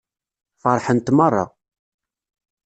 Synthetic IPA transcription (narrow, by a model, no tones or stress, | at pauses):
fəɾˤħənt̪mərˤːɑ̰